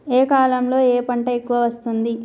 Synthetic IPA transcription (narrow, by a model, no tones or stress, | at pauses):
eːkaːlɐmlo̞ːeːpɐɳʈɐekːuʋɐʋɐst̪und̪i